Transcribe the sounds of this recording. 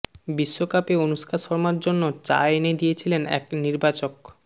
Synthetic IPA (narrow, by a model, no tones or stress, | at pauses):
biʃːokapeonuʃkʰaʃɔɾmaɾd͡ʑonːot͡ɕa̰eened̪ijet͡ɕʰilenɛ̰kniɾbat͡ɕok